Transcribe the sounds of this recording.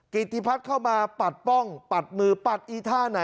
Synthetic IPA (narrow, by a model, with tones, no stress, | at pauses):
ki˨˩t̪ʰːiː˧˩pʰa˦˥t̪̚kʰa˥˩wmaː˧pa˨˩t̪̚pɔ˥˩ŋpa˨˩t̪̚mɯː˧pa˨˩t̪̚ʔiː˧˩t̪ʰaː˥˩na˨˩˦